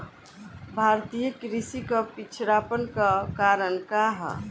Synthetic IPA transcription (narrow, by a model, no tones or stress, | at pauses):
bʱaɾt̪ijəkɾisikəpit͡ʃʰɾapənkakaɾənkaɦə̰